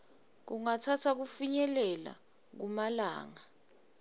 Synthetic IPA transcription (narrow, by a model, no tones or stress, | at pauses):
k̬uŋatʰatʰak̬ufiɲɛlɛla̰ | k̬umala̰ːŋa